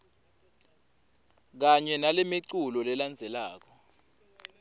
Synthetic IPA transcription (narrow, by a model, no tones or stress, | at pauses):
k̬aɲɛnalɛmeǀulɔlɛland͡zʱɛlaːk̬ɔ